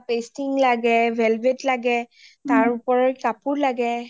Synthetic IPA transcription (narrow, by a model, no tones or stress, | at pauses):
pestiŋlaɡɛbʱɛlbetlaɡɛtaɹupɔɹɔjkapuɹlaɡɛ